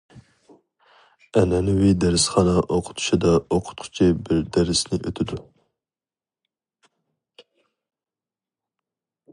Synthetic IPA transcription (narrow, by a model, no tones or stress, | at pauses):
ɛnɛnuwid̪æɾɪsχɑnɑʔoqʰʊ̥t̪ʰu̥ʃid̪ɑoqʰʊ̥t̪̚qʰʊ̥t͡ʃʰibɪɾd̪æɾɪsnɪʔøt̪ʰɪd̪u